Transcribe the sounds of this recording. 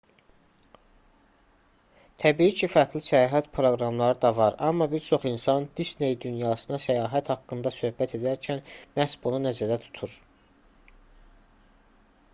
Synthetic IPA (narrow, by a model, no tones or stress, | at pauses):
t̪ʰæbiːicʰifæɾɡlisæjɑːɦæt̪pʰɾo̞ɡɾɑmlˠɑɾɯd̪ɑvɑɾɑmːɑbiɾt͡ʃʰo̞χinsɑnd̪isne̞jd̪ynjɑːsɯnɑsæjɑːɦæt̪hɑkːɯnd̪ɑsø̞hbæt̪ʰe̞d̪æɾcʰænmæsbununæzæɾæt̪ʰu̥t̪ʰuɾ